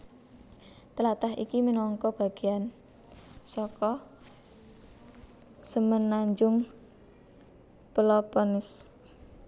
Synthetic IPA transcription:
t̪əlat̪aɦikiminɔŋkɔb̥a̤ɡ̥ean | sɔkɔ | səmənaɲd͡ʒʊŋ | pəlɔpɔnɪs

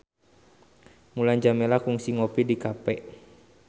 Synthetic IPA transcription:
muland͡ʒamɛlakuŋsiŋɔpidikapɛʔ

